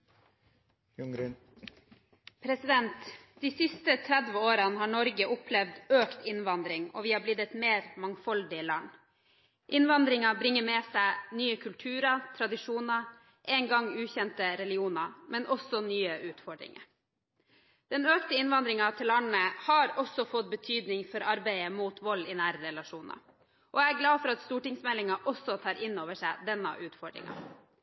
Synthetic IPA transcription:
ŋ | pʰɾɛsɪd̪ɛnt̪d̪̥iːsɪst̪ət̪ʰɾæd̪ʋəoːɾɑnəhɑːɳɔɾɡəʔʊpʰlɛʋd̪øːkt̪ɪnʋɑnd̪ɾɪŋɔ̰ʋiːhɑblɪd̪ɛt̪meːɾmɑŋfɑld̪ɪəlɑɳ | ʔɪnʋɑnd̪ɾɪŋɑbɾɪŋːəmɛsæɪnyːəkʰʉlt̪ʰʉːɾɑt̪ʰɾɑd̪ɪʂuːnɑ | ʔɛːŋɡɑŋːʉːçɛnt̪əɾɛlɪuːnɑmɛnʔɔsɔnyːəʔʉːt̪fɔɖɾɪ̰ŋə̰ | d̪̥ɛnøːkt̪əɪnʋɑnd̪ɾɪŋɑt̪ʰɪlɑɳnəhɑɾɔsɔfɔt̪̚bət̪ʰyːd̪nɪŋfɔɾɑɾbæɪəmuːt̪ʰʋɔlːɪnæːɾəɾɛlɑʂuːnɑ̰ | ʔɔæɾɡlɑːfɔɾɑt̪st̪uːʈɪŋsmɛlɪŋɑʔɔsːɔt̪ʰɑːɾɪnːoːʋəʂæɪd̪ɛnːɑ̰ʔʉːt̪fɔɖɾɪ̰ŋɑ̰

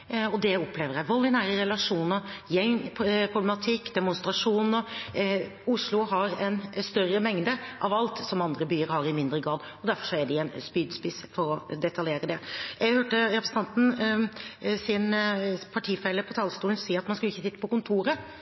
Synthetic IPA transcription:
ɔd̪ɛɔpʰːleːʋəɾjæɪʋɔld̪ɪnæːɾəɾɛlɑʂuːnəɾjɛŋpʰɾʊblɛmɑt̪ʰɪkːd̪ɛmʊnst̪ɾɑʂuːnɔ | ʊʂlʊhɑɾɛnst̪œrəmɛŋd̪əʔɑʋɑlt̪sɔmɑnd̪ɾəbyːəɾhɑɾɪmɪnd̪ɾəɡɾɑːd̪ | ɔd̪æɾfɔʂɔæɖɪɛnspyːd̪spɪsfɔɾɔd̪ɛt̪ɑljeːɾəd̪ɛjɛɡhøːʈəɾɛpɾsn̩ɑnt̪n̩ | sɪnpʰɑʈʰiːfɛlːəpʰɔt̪ʰɑlst̪uːlnsiːəɾɑt̪mɑnskʉlɪçːəsɪt̪ːəpʰɔkʊnt̪ʰuːɾə

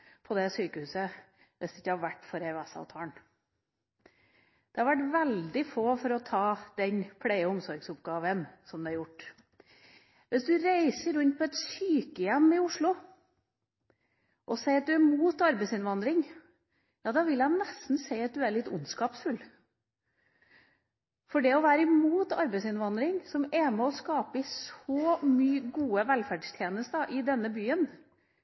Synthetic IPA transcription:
pʰɔd̪ɛsyːkəhʉːsə | ʋʔɪsd̪ɛɪçːəhɑɾʋæʈːfɔɾɛæsɑ̰ʋt̪ʰɑːɳ | d̪̥ɛhɑɾʋæʈʋɛld̪ɪfoːfɔɾɔt̪ʰɑːd̪̥ɛnpʰɽeɪəʊmsɔɾɡsʊpɡɑːʋənsɔmd̪ɛɑɾjʊʈː | ʋʔɪsd̪ʉɾæɪsəɾʉnt̪̚pʰɔɛt̪syːkəjɛmːɪʊʂɭʊ | ʔɔseɪɑt̪̚d̪ʉæmuːt̪ɑɾbɛɪsɪnʋɑnd̪ɾɪŋ | jɑːd̪ɑːʋɪlænɛst̪n̩seɪɑt̪̚d̪ʉæɾɭɪt̪ːʊ̰nskɑːpsfʉlː | fɔɖɛɔʋæːɾəɪmuːt̪ɑ̰ɾbɛɪsɪnʋɑnd̪ɾɪŋsɔmɛmɛɔskɑːpəɪsɔmyːɡuːəʋælfæɖst̪ʰjeːnəst̪əʔɪd̪ɛnːəbyːən

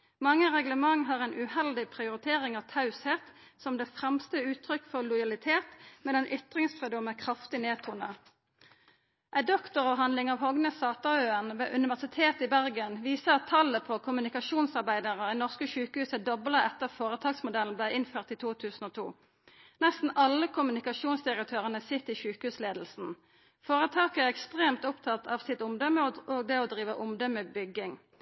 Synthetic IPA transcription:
mɑŋːəʁɛɡləmɑŋɦɑːʁɛɪnʔʉhɛld̪ɪpʰʁɪʊʁɪt̪ʰeːʁɪŋɑʋt̪ʰɑʉsheːt̪sɔmd̪eːfʁɛmst̪əʉːt̪ʰʁʏkːfɔʁlʊjɑlɪt̪ʰeːt̪mɛd̪ɛnʔʏt̪ʁɪŋsfʁʉːd̪ʊmɛkʰʁɑft̪ɪneːt̪ʰuːnə | ʔæɪd̪ɔkt̪ʊʁɔːɦɑnlɪŋɑːʋhɔɡnəsɑːt̪ɑøːənʋḛːʔʉnɪʋæʁsɪt̪ʰeːt̪ɪbæʁɡənʋiːsəɑt̪ʰːɑlːəpʰɔkʰʊmʉnɪkɑʃuːnsɑʁbæɪd̪əʁəiːnɔʁskəʃʉːkəhʉːsəd̪ɔblɑʔɛt̪ːəʁfoːʁət̪ʰɑːɡsmʊd̪ɛln̩blæɪɪnføːʁt̪ɪt̪ʰuːt̪ʰʉːsn̩oːt̪ʰṵː | nɛst̪n̩ʔɑlːəkʰʊmʉnɪkɑʃuːnsd̪ɪʁək̚t̪ʰøːʁənəsɪt̪ːɪʃʉːkəhʉːsleːd̪l̩sn̩ | foːʁət̪ʰɑːkəæʁɛkst̪ʁeːmt̪ʊpt̪ʰɑt̪ʰɑʋsɪt̪ʊmd̪ɔməoːɡd̪ɛːɔːd̪ʁiːʋəʔʊmd̪ɔməbʏɡɪŋ

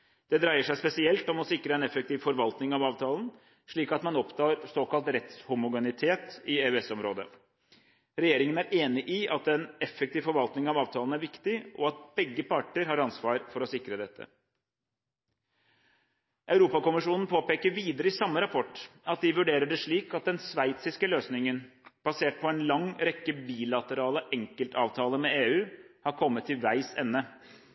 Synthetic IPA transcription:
d̪̥ɛd̪ɾæɪəʂæɪspɛsɪɛlt̪ɔmɔsɪkɾəɛnɛfɛkt̪iːʋfɔɾʋɑlt̪nɪŋɑʋɑːʋt̪ʰɑːln̩ | ʂɭiːkɑt̪mɑnɔpt̪ʰɑːɾsoːkɑlt̪ɾɛt̪shʊmʊɡɛnɪt̪ʰeːt̪ɪeːʉɛsɔmɾoːd̪ə | ɾɛjeːɾɪŋənæɾeːnɪʔɪʔɑt̪ɛnɛfːɛkt̪iːʋfɔɾʋɑlt̪nɪŋɑʋɑːʋt̪ʰɑːln̩æɾʋɪkt̪ɪʔɔ̰ɑt̪̚bɛɡːəpʰɑʈəɾɦɑːɾɑnsʋɑːɾfɔɾɔsɪkɾəd̪ɛt̪ʰːə̰ | ʔɑʉɾuːpɑkʊmɪʂuːnn̩pʰoːpeːkəɾʋiːd̪əɾəɪsɑmːəɾɑpʰɔʈːɑt̪̚d̪ɪʋʉɖeːɾəɖɛʂɭiːkɑt̪̚d̪ɛnsʋæɪt̪sɪskəløːsnɪŋən | b̥ɑseːʈ̚pʰɔɛnlɑŋɾɛkːəbiːlɑt̪əɾɑːləʔɛŋkəlt̪ɑːʋt̪ʰɑːləmɛeːʉːhɑɾkʰɔmːət̪ʰːɪʋæɪsɛ̰nːə

